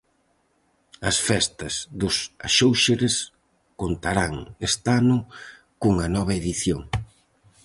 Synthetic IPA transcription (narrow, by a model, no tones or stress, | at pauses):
ɐsfɛst̪ɐzðʊsa̰ʃowʃeɾes | kont̪aɾaŋest̪anʊ | kuŋɐnɔβɐeðiθjoŋ